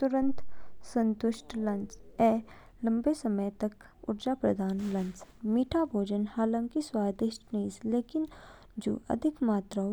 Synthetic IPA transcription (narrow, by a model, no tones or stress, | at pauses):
t̪ʊɾə̃nt̪sɐ̃nt̪ʊʃʈʰlɐ̃nt͡ʃɛː | lɐ̃mbesɐməjt̪ɐk | ʊ̰ɾd͡ʒaːpɾɐd̪ʱaːnlɐ̃nt͡ʃmiːʈʰabʱoːd͡ʒənhaːlə̃ŋkiswaːd̪ɪʃʈnisleːkɪn | d͡ʒo̰ːʔɐ̰d̪ʱɪkmaːt̪ɾa